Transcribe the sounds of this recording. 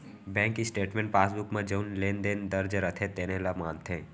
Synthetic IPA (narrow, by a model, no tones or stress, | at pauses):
bɛ̃ːŋkːisʈeːʈmẽːɳʈ̚paːsbʊkmẽd͡ʒəːnleːnd̪eːnd̪ɐɾd͡ʒɾət̪ʰet̪eːnelamaːnt̪ʰẽː